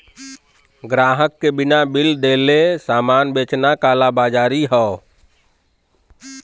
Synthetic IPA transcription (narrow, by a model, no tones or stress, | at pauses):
ɡɾaɦəkːebinabild̪elesamanbet͡ʃnakalabad͡ʒaːɾiɦɔ